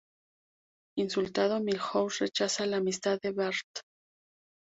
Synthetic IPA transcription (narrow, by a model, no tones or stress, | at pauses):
insult̪að̞o̞milxowsret͡ʃasalaːmist̪aðeβeɾt̪